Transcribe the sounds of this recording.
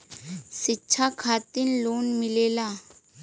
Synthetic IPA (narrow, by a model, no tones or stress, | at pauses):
ʃɪtːʃʰakʰaːt̪ɪnloːnmɪleːlaː